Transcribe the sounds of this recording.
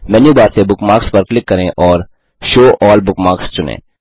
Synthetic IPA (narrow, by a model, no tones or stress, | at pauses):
mɛːnjuːbaːɾsebʊkmaːkspɐɾklɪkːɐɾẽʔɔːɾ | ʃoːʔɔːlbʊkmaːkst͡ʃʊnḛ̃ː